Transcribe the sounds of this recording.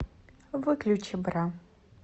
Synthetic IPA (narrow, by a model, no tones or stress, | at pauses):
vɨklʲut͡ʃɪbra